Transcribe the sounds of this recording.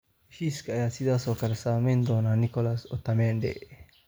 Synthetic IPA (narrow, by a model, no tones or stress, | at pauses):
ʃiskajasid̪asokaɾesamend̪onanikolasot̪ːamend̪ḛ